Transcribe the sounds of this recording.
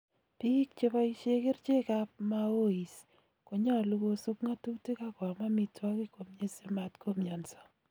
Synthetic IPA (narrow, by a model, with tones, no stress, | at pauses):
pi˦kt͡ʃe˦pɔ˦i˦ʃe˦kɪ˦ɾt͡ʃe˦ka˦p̚ma˦o˦i˨s | ko˨ɲa˦˨lu˦ɡo˦su˦kŋa˦tu˦ti˦ka˦ka˨ma˦mɪ˨twɔ˦ki˦ko˨mɲe˦se˦ma˨tkʰo˦mɲa˨nsɔ̥˦